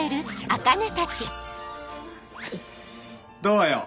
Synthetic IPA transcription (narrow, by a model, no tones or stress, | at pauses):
eɾɯakanet̪at͡ɕi | d̪oːjo